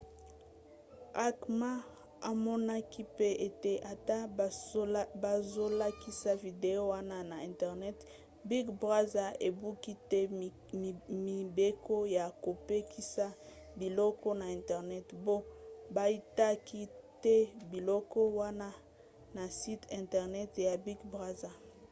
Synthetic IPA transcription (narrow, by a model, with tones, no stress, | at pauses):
a˦kma˦ | a˨mɔ˦na˦ki˦pe˦ʔe˨te˦ʔa˨ta˦ | ba˨zo˦la˦ki˦sa˦vi˨de˨o˦wa˦na˦na˨ɛ˨ntɛ˨ʁnɛ˦t | bi˦ɡbʁa˦za˦e˨bu˦ki˦tɛ˦ | i˨mi˨be˦ko˦ja˨ko˨pe˦kʰi˦sa˦ | bi˨lɔ˦kɔ˦na˨ɛ̃˨ntɛ˨ʁnɛ˦tbo˦ba˦i˦ta˦kʰi˦tɛ˦bi˨lɔ˦kɔ˦wa˦na˦ | na˨si˦tɛ̃˨ntɛ˨ʁnɛ˦tja˨bi˦ɡbʁa˦za˨